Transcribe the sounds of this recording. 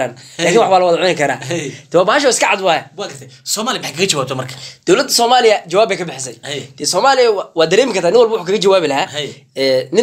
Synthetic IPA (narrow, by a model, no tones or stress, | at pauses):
aːnaːkiːnwɑħwaːlɐwɑðʕʊnɪkʰɐɾaːt̪ʰɐwaːbaːhɐʃ̬ɔːɪskʰɐʕɑd̪wɑːjɐwaːɡɐrt̪ʰɛsɔːmaːlɪjɐmħkʰɐɣɐt͡ʃɐwaːb̚t̪ʰɔmɐrkʰad̪̥ɔwlɐd̪ːɐsɔːmaːlɪjɐt͡ʃɐwaːbɛjkʰɐbɪħɪs̬ɛjd̪̥ɛsɔːmaːlɪjɐwwaːd̪ɐɾɛːmɪkʰɐrt̪ʰaːnɪnwɔlbɐwʊħuːkʰɐɣɡɐt͡ʃɐwaːβɪlɐhaːh | ɛːnɪ